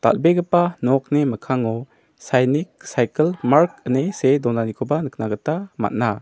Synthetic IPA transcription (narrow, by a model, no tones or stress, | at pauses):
ta̰l̚beɡəpanɔk̚neməkʰaŋɔ | sajnik̚sajkəlmaɾk̚ənesedɔnanikʰobanɯknaɡətama̰t̚na